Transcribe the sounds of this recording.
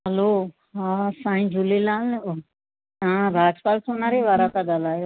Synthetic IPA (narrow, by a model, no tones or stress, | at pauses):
ɦəlo | ɦãsãːĩd͡ʒulelaːl | ãɾaːd͡ʒpaːlsonaːɾeʋaːɾakad̪alaːɦjo